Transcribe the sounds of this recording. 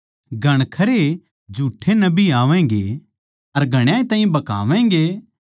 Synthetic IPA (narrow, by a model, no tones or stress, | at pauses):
ɡʱɐɽ̃kʰɐɾe | d͡ʒʱuːʈʰːenɐbiaːʋɛ̃ːɡḛ | ɐɾɡʱɐɽ̃jãːĩt̪ãːɦĩbɐka̰ːʋɛ̃ːŋɡe